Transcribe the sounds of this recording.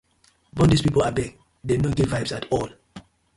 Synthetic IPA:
bɔ̃ndispipolabɛ̃ | denoɡetvaɪbsatʰɔl

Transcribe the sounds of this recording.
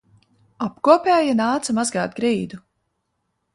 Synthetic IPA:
apkuɔpʲɛːjanaːt̪samazɡaːt̪̚ɡɾiːd̪u

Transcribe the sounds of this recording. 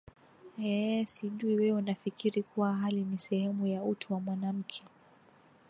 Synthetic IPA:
ɛsiʄuiwɛunafikʰiɾikuwaɦalinisɛhɛmujautʰuwamwanam̩kʰɛ

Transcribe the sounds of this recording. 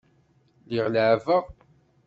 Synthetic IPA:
liʁlʕvəʁ

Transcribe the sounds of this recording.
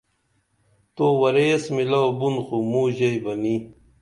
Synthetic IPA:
t̪oːwɐɾesmilawbunxumuʑejbɐni

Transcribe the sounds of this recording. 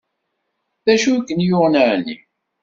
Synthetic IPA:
θæʃukːənjʊʁnəʕnḭ

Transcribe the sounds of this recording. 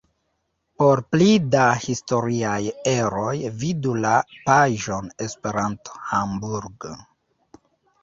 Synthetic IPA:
po̞ɾplidahisto̞ɾiaje̞ɾo̞jvidulapaʒo̞ne̞spe̞ɾanto̥hambuɾɡ

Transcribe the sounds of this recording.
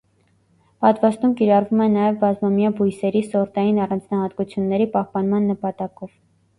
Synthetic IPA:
pɑt̪vɑst̪umkiɾɑrvumɛnɑjɛvbɑzmɑmjɑbujsɛɾisɔɾt̪ɑjinɑrɑnd͡znɑhɑt̪kut͡sʰjunːɛɾipɑhpɑnmɑnːəpɑt̪ɑkɔv̥

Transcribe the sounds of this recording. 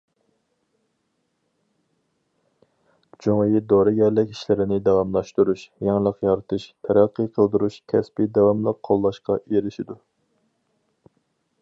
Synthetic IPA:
d͡ʒoŋjid̪oɾɨɡʲɛɾlɪkʲi̥ʃlɪɾɪnɪd̪ɛwɑmlˠɑʃt̪uɾuʃjɑŋlˠəqjɑɾɨt̪ʰɨʃt̪ʰɛɾɑqʰːəqʰəlˠd̪uɾuʃkʲʰɛspid̪ɛwɑmlˠəqqʰːolˠːɑʃqɑʔeɾɪʃid̪u

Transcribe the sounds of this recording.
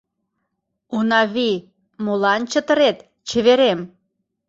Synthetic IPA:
unɑβi | molɑnt͡ɕət̪əɾet̪ | t͡ɕə̆βeɾem

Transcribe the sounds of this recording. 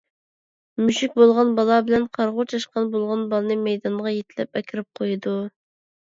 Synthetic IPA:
myʃyk̚ʲbolˠʁɑnbɑlˠɑbɪlɛnqʰɑɾʁʊt͡ʃʰɑʃqɑnbolˠʁɑnbɑlnɨmɛjd̪ɑɴʁɑjet̪ʰɪlɛ̰p̚ɛkʲʰɪɾɪp̚qʰojɨd̪u

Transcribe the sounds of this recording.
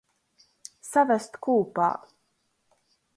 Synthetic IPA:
savæst̪kuːpa̰ː

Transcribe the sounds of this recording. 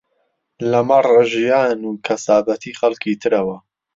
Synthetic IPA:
lɐmaraʒijaːnuːkʰɐsaːbɐt̪ʰiːxɐlkʰiːt̪ʰɨɾɐwɐ

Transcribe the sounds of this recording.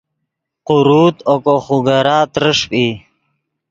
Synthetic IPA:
quɾuːt̪okoχuɡaɾaːt̪ɾəʂpi

